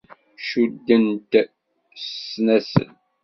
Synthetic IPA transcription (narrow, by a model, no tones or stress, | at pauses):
ʃud̪ːənt̪ | snæsə̰n